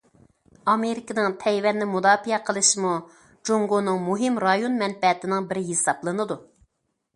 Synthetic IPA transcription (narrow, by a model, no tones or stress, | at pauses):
ɑmeɾɪkʲɪnɨŋt̪ʰɛjwɛnːɪmud̪ɑːfijɛqʰəlˠɨʃimu | d͡ʒoŋɡonɨŋmuɦɪmɾɑjonmɛnpɛt̪ɪnɪŋbɪɾɪɦesɑplˠɨnɨd̪u